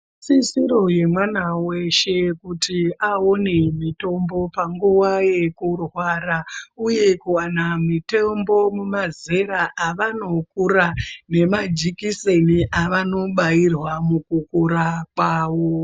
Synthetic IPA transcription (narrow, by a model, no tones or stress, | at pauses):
sisiɾo̞je̞mwanaweʃe̞kutʰiaone̞mito̞mbo̞paŋɡuwaje̞kurwaɾauje̞kuwanamitembo̞mumaze̞ɾaʔaʋano̞kuɾane̞mad͡ʒikiseniʔaʋano̞ɓairwamukukuɾakwaːwo